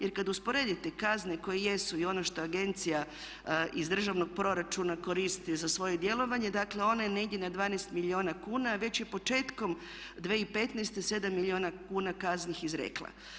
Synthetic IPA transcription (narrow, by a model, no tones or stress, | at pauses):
je̞ɾkad̪uspo̞ɾe̞d̪it̪e̞kazneko̞jeje̞suio̞no̞ʃt̪o̞aɡe̞nt̪sija | ʔizd̪r̩ʒaʋno̞ɡ̥̚pɾo̞ɾat͡ʃunako̞ɾist̪izasʋo̞jed̪je̞lˠo̞ʋaɲe̞d̪akle̞o̞neneidenad̪ʋaːnest̪milio̞ːnakuːnaʋe̞t͡ɕje̞po̞t͡ʃe̞ːt̪kom | d̪ʋeːipet̪neːst̪ese̞d̪amːilʲio̞ːnakuːnakaznixizɾḛklˠa̰